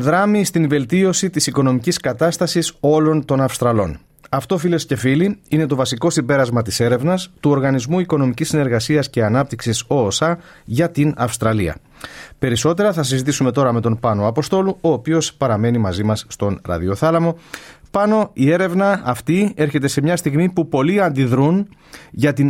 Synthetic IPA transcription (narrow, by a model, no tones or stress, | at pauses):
ðɾɐmist̪inve̞lt̪io̞sit̪isiko̞no̞miciskɐt̪ɐst̪ɐsiso̞lo̞nt̪o̞nɐfst̪ɾɐlo̞̰n | ɐft̪o̞file̞sce̞filiine̞t̪o̞vɐsiko̞simbe̞ɾɐzmɐt̪ise̞ɾe̞vnɐst̪uo̞ɾɣɐnizmuiko̞no̞micisːine̞ɾɣɐsiɐsce̞ɐnɐp̚t̪iksiso̞ːsɐ | ʝɐt̪inɐfst̪ɾɐliɐ̰ | pe̞ɾiso̞t̪e̞ɾɐθɐs̬izit̪̬isume̞t̪o̞ɾɐme̞t̪o̞npɐnoɐpo̞st̪o̞luo̞ːpio̞spɐɾɐme̞nimɐzimɐsːt̪o̞nɾɐ̰ðio̞θɐlɐmo̞pɐno̞ie̞ɾe̞vnɐːft̪ie̞ɾçe̞t̪e̞se̞mɲɐst̪iɣmipupo̞liɐnd̪iðɾun | ʝɐt̪in